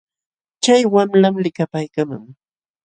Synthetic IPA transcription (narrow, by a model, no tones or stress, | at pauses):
t͡ʃajwamlamlɪkapajkama̰ŋ